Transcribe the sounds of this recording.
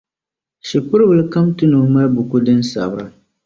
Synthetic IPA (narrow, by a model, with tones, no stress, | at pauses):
ʃi˨pʊ˦ɾɨ˦bɨ˨lɨ˦ka˦mtɨ˦nuː˨ma˦lbu˨ku˦dɨ˦n˦sa̰˨bɾa˨